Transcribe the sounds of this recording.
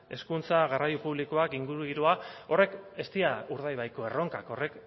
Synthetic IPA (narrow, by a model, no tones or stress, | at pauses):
e̞skunt͡saɣarajupuβ̞likoakiŋɡuɾuɣiɾuao̞re̞ke̞st̪iauɾðajβajko̞e̞ro̞ŋkako̞re̞k